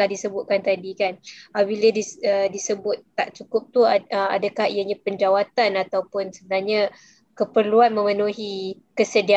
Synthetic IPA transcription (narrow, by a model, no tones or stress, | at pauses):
ahdisəbʊt̪̚kant̪adikanabilədiədisəbʊt̪̚t̪ːaʔt͡ʃukʊp̚t̪uəa̰dakahḭjaɲãpəɲd͡ʒawat̪anat̪awpʊnsəbənaɲa | kəpərluanmə̃mənuɦi | kəsədia